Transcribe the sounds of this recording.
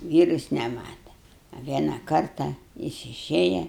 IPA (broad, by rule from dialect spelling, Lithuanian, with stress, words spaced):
ˈʋʲiːrʊs nʲɛˈmɑːtɐ ɐ ˈʋʲiɛnɐ ˈkɐrtɐ ˈjɪs ɪˈʃʲeːjɛ